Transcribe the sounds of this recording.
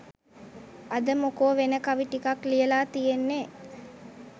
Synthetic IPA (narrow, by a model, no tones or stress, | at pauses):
ad̪əmokoːʋenəkaʋiʈikaklijəlaːt̪ijenːe